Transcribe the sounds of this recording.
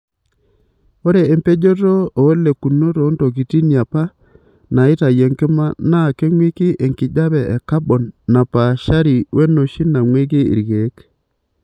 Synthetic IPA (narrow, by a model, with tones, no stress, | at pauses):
o˦ɾe˨e˨mpe˦d͡ʒo˦to˦o˨˦le˨ku˨no˦to˨˦nto˨ki˨ti˦nja˨pa˦ | na˨ɪ˦ta˨je˨ŋkɪ˦ma˦na˦˨ke˦ŋwi˦ki˦ʔe˨ŋkɪ˨d͡ʒa˦βɛ˨ʔɛ˨ka˦ɓɔ˨nːa˨pa˨ʃa˦ɾi˨wʔe˦no˨ʃi˦na˨ŋwe˦k̬e˦ḭ˨ɾɡe˨˦k